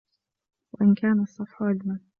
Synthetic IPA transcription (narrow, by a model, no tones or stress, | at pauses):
waʔɪnkaːnasˤːɑfħʊʔalma